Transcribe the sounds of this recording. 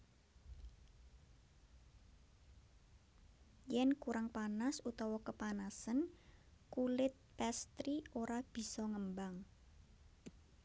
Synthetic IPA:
jɛnkuɾaŋpanasut̪ɔwɔkəpanasənkulɪt̪̚pɛst̪ɾioɾab̥i̤sɔŋəmbaŋ

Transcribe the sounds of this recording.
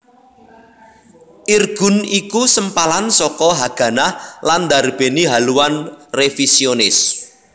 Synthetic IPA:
ʔirɡ̥ṳnikusəmpalansɔkɔɦaɡ̥ä̤nahland̪arb̥e̤niɦaluwanrefisionɪs

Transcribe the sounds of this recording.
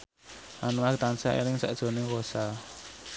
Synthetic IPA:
ʔanuŋakt̪ansaʔḛɾɪŋsa̰ʔd̥ʒ̥o̤nɪŋkosa

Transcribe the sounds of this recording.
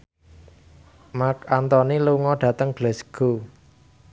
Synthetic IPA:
makant̪ɔniluŋɔɖ̥ä̤t̪əŋb̥lɛsɡ̥o

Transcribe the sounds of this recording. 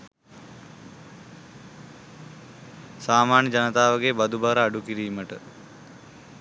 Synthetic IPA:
saːmaːnjəd͡ʒanət̪aːʋəɡebad̪ubaɾəːɖukiɾiːməʈə

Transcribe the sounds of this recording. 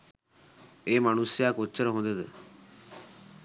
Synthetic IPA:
eːmanusjakot͡ʃːəɾɦõːnd̪ed̪ḛ

